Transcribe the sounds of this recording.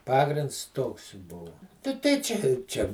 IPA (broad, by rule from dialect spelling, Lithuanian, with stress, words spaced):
ˈpɑːɡrʲɪnts ˈtoːks ˈbʊʋʊ tɐ tɐɪ ˈt͡ʃʲɛ ɪ ˈt͡ʃʲɛ